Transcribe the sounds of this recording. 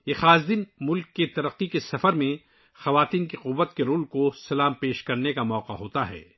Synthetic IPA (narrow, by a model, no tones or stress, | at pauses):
jeːxaːzd̪ɪnmʊlkːet̪ɐɾəqːikesɐfəɾmẽ | xɐʋaːt̪iːnkiqʊʋːət̪keɾoːlkosɐlaːmpeːʃkɐɾnekamɔːqaɦoːt̪aɦɛ̰ː